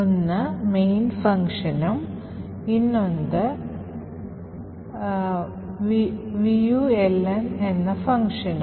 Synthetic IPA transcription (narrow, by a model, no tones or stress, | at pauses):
onːɐmejnfɐŋkʂɐnɐm | inːond̪ɨ | ʋiʋijuelɐnenːɐfɐŋkʂɐnɐ